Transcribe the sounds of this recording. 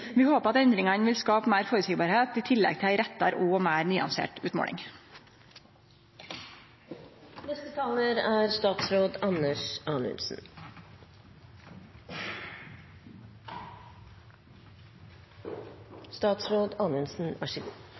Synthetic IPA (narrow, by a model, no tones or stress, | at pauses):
ʋɪːhoːpəɑt̪ɛnd̪ɾɪŋɑnʋɪlskɑːpmæːɾfoːɾʉt̪sɪɡbɑːɾheːt̪iːt̪ʰɪlɛ̰ɡt̪ʰɪæɪɾɛt̪ːɑ̰ɾʔuːoːmæːɾnyːɑ̰nsḛːʈʉːt̪mo̰ːɽɪ̰ŋ | nɛst̪ət̪ʰɑːləɾæːɾst̪ɑːt̪sɾoːd̪ɑnəʂɑnʉ̰nsn̩ | st̪ɑːt̪sɾoːd̪ɑːnʉnsn̩æʂɪɡu